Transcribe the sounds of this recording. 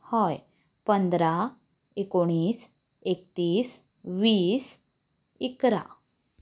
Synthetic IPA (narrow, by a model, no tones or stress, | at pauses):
hɔj | pənd̪ɾa | ekoɽ̃iːs | ek̚t̪iːs | ʋiːs | ikɾa̰